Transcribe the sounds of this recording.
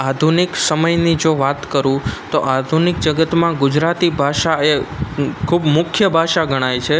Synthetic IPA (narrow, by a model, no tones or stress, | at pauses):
ad̪ʱunɪksəməjnid͡ʒoʋat̪kəɾũt̪oʔad̪ʱunɪk̚d͡ʒəɡət̪mãɡʊd͡ʒɾat̪ibʱaʃaekʰubmʊkʰjəbʱaʃaɡʱəɽ̃ajt͡ʃʰe